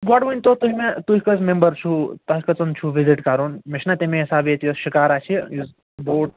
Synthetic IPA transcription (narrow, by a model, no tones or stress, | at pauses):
ɡaɽʋɐnʲt̪ot̪uɦimet̪uɦikɐt͡smẽmbəɾt͡ʃʰut̪aɦikɐt͡sɐnt͡ʃʰuʋiziʈkaɾunmiʃnat̪emẽɦisaːbjet̪joʃikaːɾaːt͡ʃʰiiz | boːʈ